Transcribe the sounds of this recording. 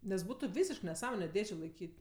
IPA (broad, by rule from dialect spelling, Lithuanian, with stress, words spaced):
nʲɛs ˈbuːtʊ ˈʋʲiːsʲɪʃk nʲɛˈsɑːmoːnʲɛ ˈdʲeːʒʲeː lˠɐɪˈkʲiːtʲ